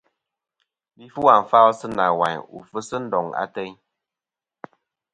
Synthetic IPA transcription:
bi˦fu˦wa˨m˨fa˦sɨ˦na˨wa˨ɲṵ˨fə˦sə˦n̩˦dɔ˨ŋa̰˦tɛ˦ɲ

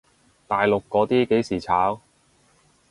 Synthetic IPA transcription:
t̪aː˨jlʊ˨kːɔː˨˥t̪iː˥ke˨˥jsiː˨˩t͡sʰaː˨˥w

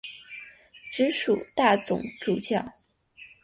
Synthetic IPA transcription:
ʈ͡ʂɻ̩˧˥ʂu˨˩t̪a˥˩t͡sʊ̰˨˩˦ŋʈ͡ʂu˨˩t͡ɕjɑ˥˩ʊ

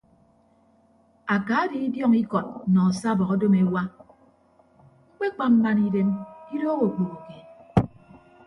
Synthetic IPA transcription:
a˨ka˨˦di˨i˦djɔ˦ŋi˦kɔ˨t̚nɔ˨sa˦˨bɔ˨ɣɔ˦do˦me˨wa˦ | k͡pe˦k͡pa˨m̩˦ma˨ni˨ɾe˦mi˦ɾo˦ɣo˨k͡po˨ɣo˨ke˨

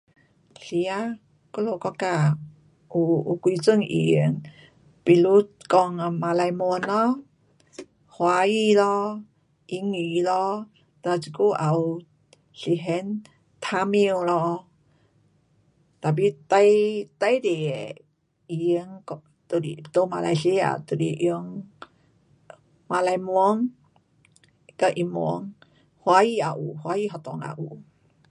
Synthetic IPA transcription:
ɬi˧a˧˦ | kɔ˦lo˧˨kɔ˧ka˧˩ | ʔu˧u˧kwi˧t͡sɨ˧˨ŋʔḭ˨i˧˦ŋ | pi˧˨lu˧˦t̚kɔ˧˨ŋa˨ma˧la˧jmu˧ənlɔ˦ | hwa˧˦ji˧lɔ˧ | ʔi˧˥ŋi˨˧lɔ˧˦ | t̪a˧˨t͡si˨˧ku˧˦ʔa˨w | ɬi˧˨ɦɛ˧˥n | t̪ʰa˧˥mi˧ə˧wlɔ˧ | t̪a˨p̬i˧t̪a˧jt̪a˧jde˨˧ | ji˧ŋkɔ | t̪o˧di˨t̪o˧ma˧la̰˧jɬi˧˦a̰˨t̪o˨dḭ˨ʔi˧ə˧ŋ | ma˧la˧jmwɔ˦ŋ | ka˧ʔi˧˨mɔ˧˦ŋ | hwa˧ji˧a˨ʔu˨hwa˧˦ji˧ɦɔ˧˨t̪ɔ˨ŋa̰˨ʔu˨

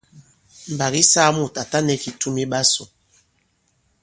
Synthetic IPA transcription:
m̩˨ba˨ɣi˦saː˦mu˨ta˨ta˦nɛ˨fi˨tu˦mi˦ɓa˦so˨

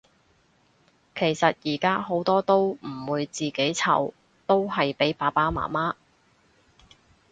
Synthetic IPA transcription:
kʰe˨˩jsɐ˨t̚jiː˨˩kaː˥ɦo˨˥wt̪ɔː˥t̪o˥wm̩˨˩wuː˨˧jt͡siː˨ke˨˥jt͡sʰɐ̰˨˩w | t̪o˥wɦɐ˨jpe˨˥jpaː˨˥paː˥ma̰ː˨˩maː˥

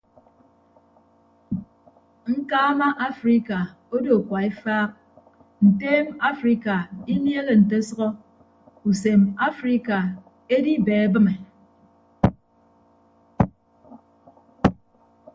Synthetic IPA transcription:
ŋ̩˦kaː˦ma˦ʔa˦fɾi˦ka˨ | o˦do˨kʷa˨e˦faː˦k̚ | n̩˨teː˦ma˦fɾi˦ka˨i˦mje˦le˨n̩˨te˦sʌ˦ɣɔ˦ | u˨se˨ma˦fɾi˦ka˨ | e˦di˦beː˨˦bɨ˦me˨

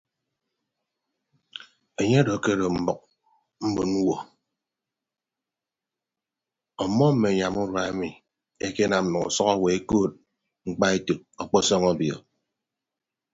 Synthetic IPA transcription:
e˨ɲe˦dɔ˨ke˦ɾo˨m̩˦bɔ˨k̚ | m̩˦bu˨nu˦wɔ˨ | ɔ˨mɔ˦m̩˦me˨ɲa˨mu˦ɾa˨e˦mi˨ | e˦ke˦na˨m˨nu˨ŋṵ˨sɔ˦kɔ˦we˨e˦ko˦˨t̚ | ŋ͡m̩˦k͡pa˦e˦tu˨k̚ɔ˨k͡pɔ˦sɔ˦ŋɔ˦bjɔ̰˨

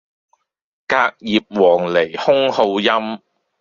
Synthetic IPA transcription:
kaː˧k̚jiː˨p̚wɔː˨˩ŋle˨˩jhʊ˥ŋho˧wjɐ˥m

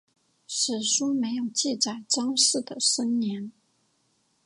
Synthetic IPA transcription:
ʂɻ̩˨˩ʂɔ˥me˧˥ɪjo˨˩ʊt͡ɕi˥˩t͡sa˨˩ɪʈ͡ʂɑ˥ŋʂɻ̩˥˩d̪ə˩ʂə˥ŋnjɛ˧˥n

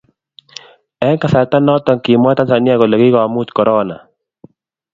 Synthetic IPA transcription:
ɛ˦ŋka˨sa˨t̪a˦nɔ˦t̪ɔ˨ŋki˨mwa˦t̪a˦nsa˨ni˦a˦kɔ˨lɔ˨ki˦kɔ˨a˨mu˦t̪kɔ˨ɾɔ˦na̰˨

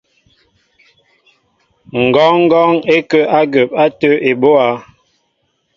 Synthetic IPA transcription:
ŋ̩˨ɡɔ˨˦ŋ˦ɡɔ˦ŋe˦kə˦ʔa˦ɡə˨pa˦tə˦ʔe˨bo˦a˨˦

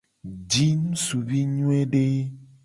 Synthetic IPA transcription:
d͡ʒi˦nũ˦su˨bi˦ɲũ˦e˦ɖe˦

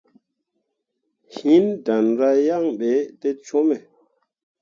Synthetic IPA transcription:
hi˨nda˩˨nɾa˨ja˥˨ŋɓɛː˨t̪e˦˨t͡ɕʰo˥˨mɛ˨

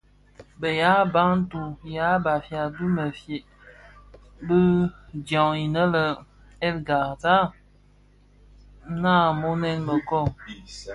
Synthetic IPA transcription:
bə˨ja˨˦ba˦ŋ̩˦tu˨ja˨˦ba˨fja˨du˦mə˨fe˨ | bə˦d͡ʒja˨i˨nə˦lə˨ | ɛ˦lɡa˨ta˦ | na˦˨mo˦nɛ˦nmə˨kɔ˦˨

